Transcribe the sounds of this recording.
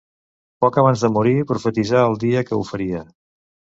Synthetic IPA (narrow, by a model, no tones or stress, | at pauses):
pɔkəβ̞anzðəmuɾipɾufət̪izaəlˠd̪iəkəufəɾiə